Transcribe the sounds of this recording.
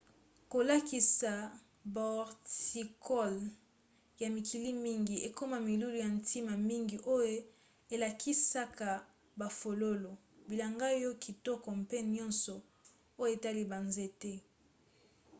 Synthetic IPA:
ko˨la˦ki˨sa˨ | ba˨ɔ˨ʁti˨kʰɔ˦l | ja˨mi˨kʰi˨li˦mi˦ŋɡi˨e˨ko˦ma˨mi˨lu˦lu˨ja˨ntʰi˦ma˨mi˦ŋɡi˨ʔo˦jo˦ | e˨la˨kʰi˦sa˦ka˨ | ba˨fo˨lo˦lo˨ | bi˨la˨ŋɡa˦jɔ˦kʰi˨tɔ˦kɔ˨mpe˦nɔ˦nsɔ˨ | o˦je˨ta˦li˦ba˨nze˦tɛ˦

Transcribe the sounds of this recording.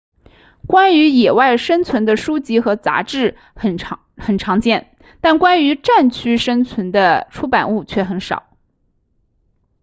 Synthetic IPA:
kwa˥ny˧˥jɛ˨˩wa˥˩ɪʂə˥nt͡sʰwə˧˥nd̪ə˧ʂu˥t͡ɕi˥xɤ˧˥t͡sa̰˧˥ʈ͡ʂɻ̩˥˩ | xə˨˩n | xə˨˩nʈ͡ʂʰɑ˧˥ŋt͡ɕjɛ˥˩n | t̪a˥˩nkwa˥ny˧˥ʈ͡ʂa˥˩nt͡ɕʰy˥ʂə˥nt͡sʰwə˧˥nd̪ə˧ʈ͡ʂʰu˥pa˨˩nu˥˩t͡ɕʰɥɛ˥˩xə˧˥nʂɑ̰˨˩˦ʊ

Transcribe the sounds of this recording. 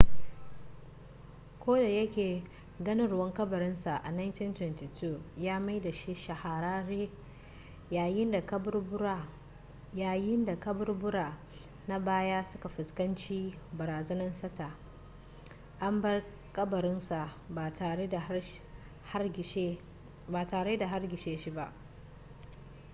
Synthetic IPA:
kʷoː˦da˨jɐ˦kʲeː˨ | ɡɐ˦nɪ˦nɽʊ˦wɐ˦ŋkʼɐ˦bɐ˨ɾɪ˦nsa˨ʔa̰˨na˦jnti˦ntwɛ˨ntiː˨tʰu˦˨jaː˦ma˦jda˨ʃi˦ʃɐ˨ha˨ɾaː˦ɾeː˦ | jaː˨jɪ˦nda˨kɐ˦br | aː˨jɪ˦nda˨kɐ˦bɐ˦rbʊ˦ɽaː˨ | na˦baː˦jaː˦sʊ˦ka˨ɸɪ˨skɐ˦nt͡ʃiː˦bɐ˨ɾaː˨zɐ˦nɐ˦nsɐ˦ta˨ | ʔa˦mbɐ˦r | kʼɐ˦bɐ˨ɾɪ˦nsa˨a˨ta˨˦˨ | ha˦˨ʃ | ba˨taː˨ɽeː˦da˨ɦa˦rɡʲɪ˨ʃeː˦ʃi˦ba˦ʔ

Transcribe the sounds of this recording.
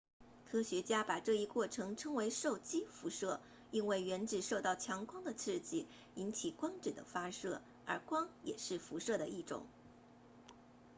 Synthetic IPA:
kʰɤ˥ɕɥɛ˧˥t͡ɕja˥pa˨˩ʈ͡ʂɤ˥˧i˥˧kwɔ˥˩ʈ͡ʂʰɤ˧˥ŋʈ͡ʂʰɤ˥ŋwe˧˥ɪʂo˥˩ʊt͡ɕi˥fu˧˥ʂɤ˥˩ | i˥˧nwe˥˩ɪɥɛ˧˥nʈ͡ʂɻ̩˨˩ʂo˥˧ʊt̪ɑ˥˩ʊt͡ɕʰjɑ˧˥ŋkwɑ˥ŋd̪ə˨t͡s̩ʰ˥˧t͡ɕi˥˩ | i˧˥nt͡ɕʰi˨˩kwɑ˥ŋʈ͡ʂɻ̩˨˩d̪ə̰˦fa˥ʂɤ˥˩ | ə̰˞˧˥kwɑ˥ŋjɛ̰˨˩ʂɻ̩˥˩fu˧˥ʂɤ˥˩d̪ə˩i˥˩ʈ͡ʂʊ̰˨˩˦ŋ

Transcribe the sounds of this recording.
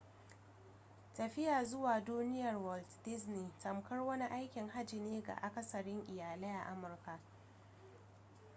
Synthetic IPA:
tɐ˨ɸɪ˦jaː˨zʊ˦waː˨duː˦nɪ˦jɐ˨rwɔ˨ltdɪ˦zniː˨tɐ˨mkɐ˦rwɐ˦ni˦ʔa˦jkʲɪ˨ŋɦa˦d͡ʒi˨neː˦ɡa̰˨ʔa˨kɐ˦sɐ˨ɽɪ˦ŋʔɪ˨jaː˨leː˦ʔa̰˨ʔa˦mʊ˨rka˨ʔ

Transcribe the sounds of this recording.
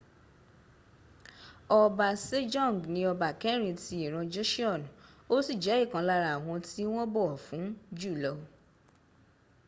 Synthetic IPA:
ɔ˧ba˨se˦d͡ʒɔ̃˦˨ŋ˨ɡnĩ˧ɔ˧ba˨kɛ˦ɾĩ˦˧ti˧i˨ɾ̃ɔ̃˧d͡ʒo˦ʃi˦ɔ˦˨ñ˨o˦si˦˨d͡ʒɛ˨˦i˦˨kã˨˧˦la˧ɾa˨w̃ɔ̃˧ti˦w̃ɔ̃˦bɔ˦ɔ˨fũ˨˦d͡ʒu˦˨lɔ˧

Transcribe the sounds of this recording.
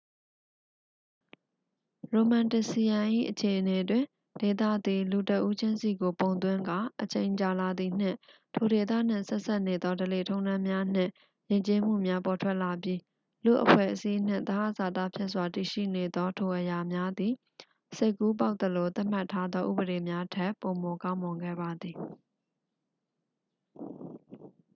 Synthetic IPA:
ɹo˨mã˨ntɪ˨si˨jã˨ʔḭ˦˨ʔət͡ɕʰe˨ʔəne˨twɪ̃˨ | d̥e˨t̪ä̰˦˨d̪i˨lu˨tə˦ʔu˦d͡ʑɪ̃˦nsi˨ɡo˨põ˨ʊ̃nt̪̬wɪ̃˦ŋɡa˨ʔət͡ɕẽ˨ɪ̃ɲt͡ɕa˨la˨d̪i˨n̥ɪ̰̃˦˨ | tʰo˨de˨t̪̬a̰˦˨n̥ɪ̰̃˦˨sɛ˦ʔsa˦ʔne˨d̪ɔ˦dəle˨tʰõ˦ʊ̃nã˦mja˦n̥ɪ̰̃˦˨ | jɪ̃˨ɲt͡ɕe˦m̥ṵ˦˨mja˦pɔ˨tʰwɛ˦ʔla˨pji˦ | lṵ˦˨ʔəpʰwɛ̰˦˨ʔəsi˦n̥ɪ̰̃˦˨nt̪ə˨a˦˨za˨t̪a̰˦˨pʰjɛ˦ʔswa˨ti˨ʃḭ˦˨ne˨d̪ɔ˦tʰo˨ʔəja˨mja˦d̪i˨ | se˦ɪkːu˦p̬a˦ʊt̪ə˨lo˨t̪a˦ʔm̥a˦˨tʰːa˦d̪ðɔ˦ʔṵ˦˨bəɾe˨mja˦tʰɛ˦˨ʔpo˨mo˨kã˦ʊ̃mʊ̃˨ŋɡɛ̰˦˨ba˨d̪ði˨

